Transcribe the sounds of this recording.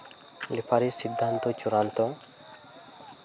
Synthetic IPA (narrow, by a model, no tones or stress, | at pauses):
lipʰaɾisid̪ʱːant̪ɔt͡ʃuɾant̪ɔ